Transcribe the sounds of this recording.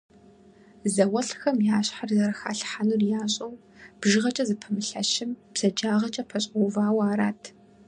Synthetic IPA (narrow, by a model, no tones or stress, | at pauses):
zɐwɐɬxɐmjaːɕħarzɐɾɐxa̰ːɬħanurjaːɕʼɐw | b̥ʒɨʁɐt͡ʃʼɐzɨpʰɐmɨɬɐ̰ʃɪmpsɐd͡ʒaːʁɐt͡ʃʼɐpʰɐɕʼowvaːwaːɾaːtʰ